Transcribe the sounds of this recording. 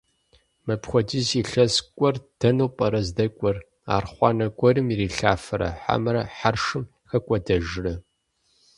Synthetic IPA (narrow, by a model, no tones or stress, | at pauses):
mɐpxʷɔd͡ʒiziɬɐskʷʼɔrd̥ɐnowpʼɐɾɐzdɐkʷʼɔr | a̰ːrχʷɑːnɐkʷʼɔɾɨmiɾiːɬaːfɐɾɐ̰ħa̰mɨɾɐħarʂɨm | xɐkʷʼɔdɐʒɪrɨ